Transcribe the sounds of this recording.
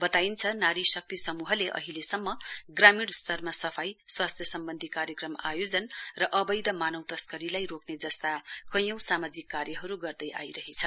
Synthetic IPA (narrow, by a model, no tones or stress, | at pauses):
bʌt̪aint͡sʰʌnaɾisʌk̚t̪isʌmuɦʌleʔʌ̰ɦilesʌmːʌɡramiɽst̪ʌrmasʌpʰajswast̪ʰjʌsʌmbʌnd̪ʱikaɾjʌkrʌma̰jod͡zʌnrʌʔʌbʌjd̪ʌmanʌwt̪ʌskʌɾilajɾokned͡zʌst̪akʌ̃j̃ʌ̃w̃samad͡zikːarjʌɦʌɾuɡʌrd̪ʌjʔa̰jɾʌɦet͡sʰʌ